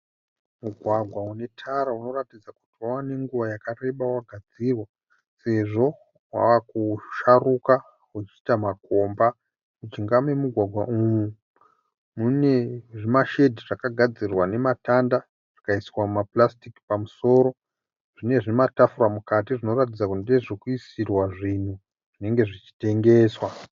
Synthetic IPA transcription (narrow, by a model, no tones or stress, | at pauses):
muɡʱwaɡʱwaune̞tʰaɾauno̞ratid͡zaku̥tiwawane̞ŋɡuʋajakare̞ɓawaɡʱad͡zirwa | se̞ʐo̞ | wa̰wakuʃaruka | wet͡ʃitamakoːmba | mut͡ʃiŋɡamwe̞muɡʱwaɡʱwaʔumu | mune̞ʐimaʃe̞dʱiʐakaɡʱad͡zirwane̞matanda | ʐ̥ikaiswamumaplastiki̥pamuso̞ːɾo̞ | ʐ̥ine̞ʐimatafuramukatiʐino̞rat̬id͡zakundeʐikuisirwaʐin̤u | ʐ̥ine̞ŋɡe̞ʐit͡ʃi̥te̞ŋɡe̞ːswa